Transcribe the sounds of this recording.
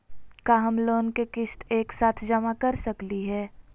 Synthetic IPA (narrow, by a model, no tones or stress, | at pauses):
kaɦəmloːnkekɪst̪eːksaːt̪ʰd͡ʒɐmakɐɾsɐkliɦɛː